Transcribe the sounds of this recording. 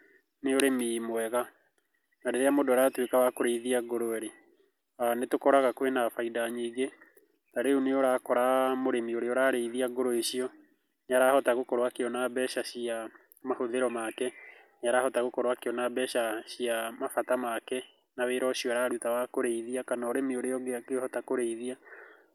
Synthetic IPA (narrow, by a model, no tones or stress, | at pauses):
neoɾemimwɛɣa | naɾeɾeamodoaɾatwekawakoɾeiðiaɡoɾoɛɾe | anetokɔɾaɣakwenafaidaɲiːɡe | naɾeuneoɾaːkɔɾamoɾemioɾeɔɾaːɾeiðiaɡoɾoeɕiɔ | ɲaɾahɔtaɣokɔɾwakeɔnabɛɕaɕia | mahoðeɾɔmakɛ | ɲaɾahɔtaɣokɔɾwakeɔnabɛɕaɕiamafatamakɛ | naweɾɔɕiɔaɾaɾutawakoɾeiðiakanaoɾemioɾeɔɡeakehɔtakoɾeiðia